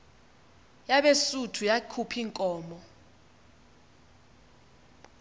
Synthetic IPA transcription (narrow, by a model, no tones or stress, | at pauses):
jaɓesutʰujakʰupʰiŋkʼɔːmɔ